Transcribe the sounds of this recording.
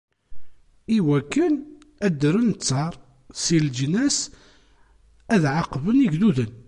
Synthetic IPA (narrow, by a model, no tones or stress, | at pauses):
iwækːən | æd̪əɾənt͡sːɑɾˤ | sild͡ʒnæs | æðʕaqvəniɡðuðən